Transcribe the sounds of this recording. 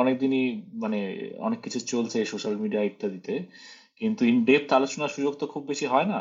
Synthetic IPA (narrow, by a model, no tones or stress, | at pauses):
ɔnek̚d̪inimaneɔ̰nekːit͡ɕʰut͡ɕolt͡ɕʰeʃoʃalmiɖiaik̚t̪ʰad̪it̪e | kint̪uiɳɖep̚t̪alot͡ɕonaɾʃud͡ʑoɡt̪okʰubbeʃiɦɔena